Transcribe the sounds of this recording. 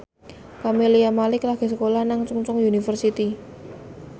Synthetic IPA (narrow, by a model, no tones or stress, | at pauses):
kameliamalɪklaɡ̥e̤səkolahnaŋt͡ʃuŋt͡ʃʊŋjunifərsit̪i